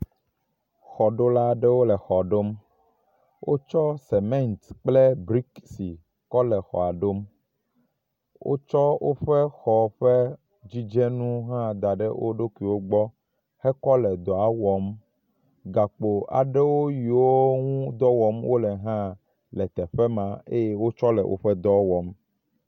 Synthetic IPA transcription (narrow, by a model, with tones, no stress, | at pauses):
xɔ˨ɖo˦la˦ɖe˦wo˦lɛ˨xɔ˨ɖo˦m | wʔo̰˦t͡ʃɔ˦sɛ˨mɛ̃˦nt̪k͡ple˦bɾi˦ksi˨ | kɔ˦lɛ˨xɔ̰˨a˨ɖo˦m | wʔo̰˦t͡ʃɔ˦wo˦ɸe˦xɔ˨ɸe˦ | d͡ʑi˦d͡ʒɛ˦nũ˦ɦã˦d̪a˨ɖḛ˦wʔo̰˦ɖo˦ki˨wo˦ɡ͡bɔ˦ | hɛ˦kɔ˦lɛ˨d̪ɔ˨a˨wɔ˨˦m | ɡa˨k͡po˨a̰˨ɖe˦wo˦ji˨wo˦ŋũ˦d̪ɔ˦wɔ˨mwo˦lɛ˨ɦã˦ | lɛ˨t̪ɛ˨ɸɛ˦mã˨e˦je˦wo˦t͡ʃɔ˦lɛ̰˨wʔo̰˦ɸɛ˦d̪ɔ˦wɔ˨m